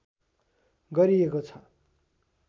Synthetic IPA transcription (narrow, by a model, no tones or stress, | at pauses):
ɡʌɾiekot͡sʰʌ